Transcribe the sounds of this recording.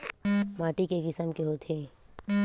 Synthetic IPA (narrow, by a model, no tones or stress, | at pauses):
maːʈikekɪsəmkeɦot̪ʰeː